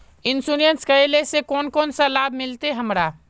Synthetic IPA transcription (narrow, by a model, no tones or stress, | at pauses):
ɪnsuːɾijənskɐjlesekɔːnkɔːnsalaːbmɪlt̪eɦɐmɾaː